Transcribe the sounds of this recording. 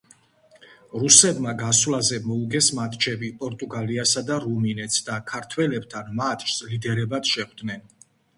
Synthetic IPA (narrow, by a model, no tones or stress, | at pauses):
ɾusɛbmaɡaswlazɛmɔuɡɛsmat̪ʰʼt͡ʃʰɛbipʼɔɾt̪ʼuɡaliasad̪aɾuminɛt̪sʰd̪akʰaɾt̪ʰwɛlɛb̚t̪ʰanmat̪ʰʼʃslid̪ɛɾɛbat̪ʃɛχd̪nɛn